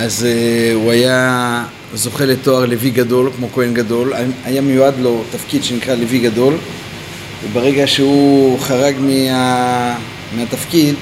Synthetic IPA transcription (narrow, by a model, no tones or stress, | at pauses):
ʔazuaja | zo̞χe̞let̪o̞aʁleviɡado̞lkmo̞ko̞enɡado̞laajamejuad̪lo̞t̪afkidʃenikʁaleviɡado̞l | vebeʁe̞ɡaʃeuχaʁaɡmia | meat̪afkid̪